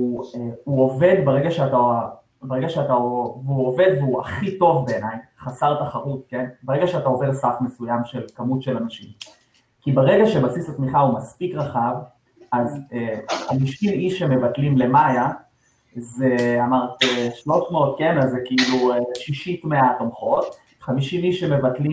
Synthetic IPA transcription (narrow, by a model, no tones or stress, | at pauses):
ueuo̞ve̞d̪beʁe̞ɡaʃeat̪a | beeɡaʃeat̪aoveuove̞d̪veuaχito̞vbe̞ːnajχasaʁt̪aχaʁut̪̚ke̞nbeeɡaʃeatao̞vedsafme̞sujamʃelkamutʃelanaʃim | kibeʁeɡaʃebasisatmiχaumaspikʁaχav | azehamiʃimiʃeme̞vatlimle̞maja | zeamaʁt̪iʃlo̞ʃmeot̪kenazekiilueʃiʃitmeatomχo̞t̪ | χamiʃimiʃeme̞vatli